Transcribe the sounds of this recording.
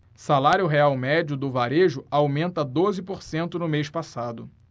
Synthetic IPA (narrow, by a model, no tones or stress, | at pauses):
salaɾjʊɦeawmɛd͡ʒʊd̪ʊvaɾeʒʊawmẽnt̪ɐd̪ozɪpoɾsẽnt̪ʊnʊmejʃpasad̪ʊ